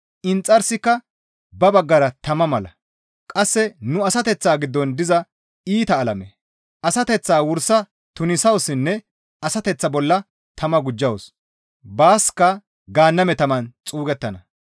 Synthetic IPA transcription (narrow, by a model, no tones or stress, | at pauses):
ʔɪnt͡sʼːɐɾsɪkːɐ | bɐbɐɡːɐɾɐt̪ɐmɐmɐlɐ | kʼɐsːɛnʊɐsɐt̪ɛt͡sːaːɡɪd̪ːɔnd̪ɪzɐ | iːt̪ɐːlɐmɛ | ɐsɐt̪ɛt͡sːaːwʊɾsɐ | t̪ʊnɪsɐwsɪnːɛ | ɐsɐt̪ɛt͡sːɐbɔlːɐ | t̪ɐmɐɡʊd͡ʒːɐws | baːskːɐ | ɡaːnːɐmɛt̪ɐmɐnt͡sʼuːɡɛt̪ːɐnɐ